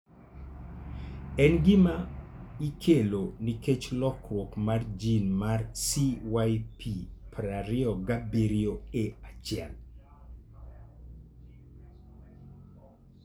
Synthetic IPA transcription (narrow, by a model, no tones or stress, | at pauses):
ɛnɡɪmaikʰeloniket͡ʃlɔkwokmard͡ʒinmarsiwajpipɾaɾɪɔɡabeɾioeat͡ʃɪɛl